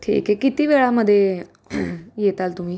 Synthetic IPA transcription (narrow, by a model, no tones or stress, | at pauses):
ʈʰḭːkekːɪt̪iʋeːɭaməd̪e | jeːt̪alt̪ʊmĩː